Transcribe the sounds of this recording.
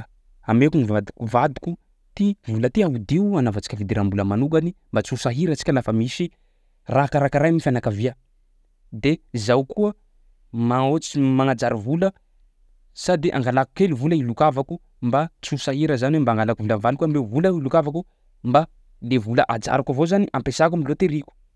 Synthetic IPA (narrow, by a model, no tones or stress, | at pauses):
amekunivad̪ukuvad̪ikʲu | t̪ivulət̪iaud̪ianavat͡si̥kʲavid̪eɾambuləmanuɡanimbat͡susaɦiɾət͡si̥kʲalafəmisi | raɦkaɾakaɾajmifanakaviə | d̪eizawkuə | maot͡simaŋad͡zaɾivulə | sad̪iʔa̰ŋɡalaku̥keluvuləilukavaku | mbat͡susaɦiɾəzaniwembaŋɡalakuvulavalkuamevuləilukavaku | mba | levuləʔad͡za̰ɾakavozaniʔampesak̬umilot̪eɾiku̥